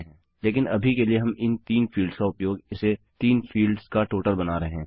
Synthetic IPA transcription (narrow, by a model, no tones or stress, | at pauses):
ɦɛ̃ː | leːkɪnɐbʱikelieɦɐ̃mɪnt̪iːnfʰiːlɖskaʊpjoːɡɪset̪iːnfʰiːlɖz̥kaʈoːʈəlbɐnaːɾɐɦeɦɛ̃ː